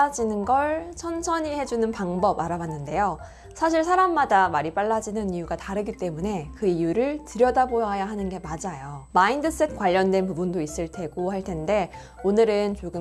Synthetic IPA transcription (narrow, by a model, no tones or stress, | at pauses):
ad͡ʑinɯnɡʌɭt͡ɕʰʌnsʰʌɲihe̞d͡ʑunɯnpaŋbʌbaɾawanːɯnde̞jo | sʰaɕ̬ʰiɭsʰaɾamːadamaɾip͈aɭːad͡ʑinɯnijuɡataɾɯɡit͈e̞mune̞kɯijuɾɯɭtɯɾjʌdabojʌɦajaɦanɯnɡe̞mad͡ʑajomaindɯs͈e̞t̚kwaʎːʌndwe̞npubundois͈ɯɭtʰe̞ɡohaɭtʰe̞nde̞ | onɯɾɯnt͡ɕoɡɯ